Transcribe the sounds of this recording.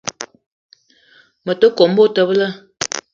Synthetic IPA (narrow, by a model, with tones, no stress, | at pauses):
mə˨tə˦ko˨m̩˦bo˦tə˨bə˦lə˦